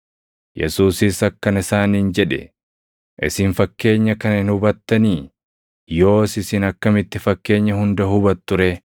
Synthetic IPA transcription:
jɛ̰suːsɪsɐkːɐnɪsaːniːnd͡ʒɛᶑɛ̰ | ʔɪ̰sɪnfɐkːe̞ːɲːɐkɐnɐɪnhʊbɐt̪ːɐniː | jo̞ːsɪsɪnɐkːɐmɪt̪ːɪfɐkːe̞ːɲːɐhʊnd̪ɐɦʊbɐt̪ːʊɾɛ

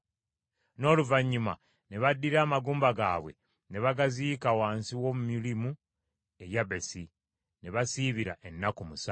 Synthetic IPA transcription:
no̞ːluvaɲːuma̰ | ne̞βadːiɾaːmaɡuːmbaɡa̰ːβwe̞̰ | ne̞βaɡaziːkawaːnsiwomumilimu | e̞jabe̞si | ne̞βasiːβiɾa̰ʔe̞nːakumusa

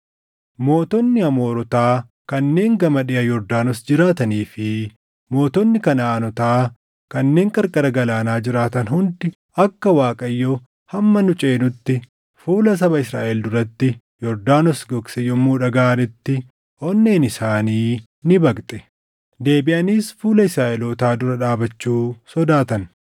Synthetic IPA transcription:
mo̞ːt̪ɔnːɪɐmo̞ːɾɔt̪aː | kɐnːe̞ːŋɡɐmɐᶑɪjɐjɔɾd̪aːnɔsd͡ʒɪɾaːt̪ɐniːfɪ | mo̞ːt̪ɔnːɪkɐnaːnɔt̪aː | kɐnːe̞ːŋkʼɐɾkʼɐɾɐɡɐlaːnaːd͡ʒɪɾaːt̪ɐnɦʊnd̪ɪ | ɐkːɐwaːkʼɐjːo | hɐmːɐnʊt͡ʃʼeːnʊt̪ːɪ | fuːlɐs̬ɐβɐɪsɾa̰ːʔɛld̪ʊɾɐt̪ːɪ | jɔɾd̪aːnɔsɡɔksɛjɔmːuːᶑɐɡaːnɪt̪ːɪ | ʔɔnːeːnɪsaːniː | nɪbɐkt̪ʼɛ̥ | d̪e̞ːbɪʔɐniːsfuːlɐɪsɾaːʔɛlot̪aːd̪ʊɾɐᶑaːbɐt͡ʃːuːsɔd̪aːt̪ɐn

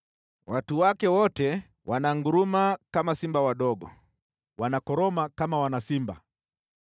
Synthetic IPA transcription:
watuwakɛwɔtɛ | wʔanaŋɡuɾumakamasimbawaɗɔɡɔ̰ | wanakɔɾɔmakamawanasimba̰

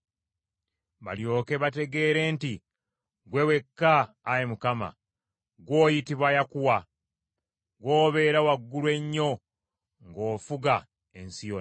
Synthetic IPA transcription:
βa̰ljo̞ːke̞βate̞ɡe̞ːɾe̞ːnti | ɡwe̞we̞kːaː | jemukama̰ | ɡwo̞ːjitiβwajakuwa | ɡwoːβe̞ːɾawaɡːulwe̞ɲːo̞ | ŋɡo̞ːfuɡa | ensijo

